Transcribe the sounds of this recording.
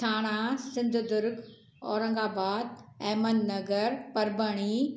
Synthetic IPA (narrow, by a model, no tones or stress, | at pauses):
t̪ʰaːɽ̃asɪ̃nd̪ʱd̪ʊɾɡ | ɔ̰ːɾə̃ŋɡaːbaːd̪̚ɛːmənːɐɡəɾpɐɾbəɽ̃i